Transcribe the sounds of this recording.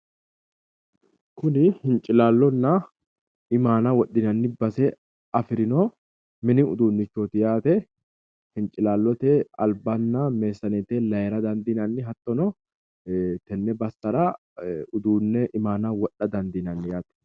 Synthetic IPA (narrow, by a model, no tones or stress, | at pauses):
kʊnɪhɪnt͡ʃʼɪlaːlːɔnːɐ | ɪmaːnɐwɔɗːɪnɐnːɪbɐsɛ | ɐfɪɾɪno | mɪnɪʊd̪uːnːɪt͡ʃːoːt̪ɪjaːt̪ɛ | hɪnt͡ʃʼɪlaːlːɔt̪ɛɐ̰lbɐnːɐme̞ːsːɐneːt̪eːlɐjɛɾɐd̪ɐnd̪inɐnːɪɦɐt̪ːɔnɔ | t̪ɛnːɛbɐsːɐɾɐ | ʊd̪uːnːɛʔɪmaːnɐwɔɗːɐd̪ɐnd̪inɐnːɪjaːt̪ɛ̥